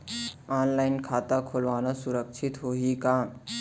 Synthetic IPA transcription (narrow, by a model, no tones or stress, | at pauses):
aːnlaːɪnkʰaːt̪akʰolʋaːnasʊɾəkʃʰɪt̪ɦoːɦikaːm